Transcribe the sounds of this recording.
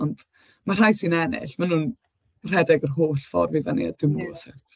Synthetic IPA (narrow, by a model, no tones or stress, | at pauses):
ɔnd̥ | mar̥ajsɨnɛnɪ̰ɬmanuːn | r̥ɛdɛɡərɦoːɬfɔ̰rvivanḭa̰dɪmɔsɛtʰ